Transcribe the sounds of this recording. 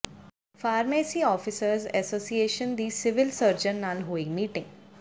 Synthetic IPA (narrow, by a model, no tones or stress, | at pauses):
faːɾmeːsiːɔːfɪsəɾzɛsoːsieːʃənd̪iːsɪʋɪlsəɾd͡ʒənːaːlɦoːiːmiːʈɪ̃ŋɡ